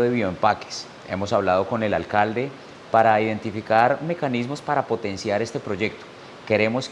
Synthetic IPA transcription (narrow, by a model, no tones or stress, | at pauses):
ðeβjoempake̥s | e̞̰mo̞saβlað̞o̞ko̞ne̞lalkald̪e̞ | paɾaiðe̞nt̪ifikaɾme̞kanizmo̞spaɾapo̞t̪e̞nsjaɾe̞st̪e̞pɾo̞ʝe̞k̚t̪o̥ | ke̞ɾe̞mo̞s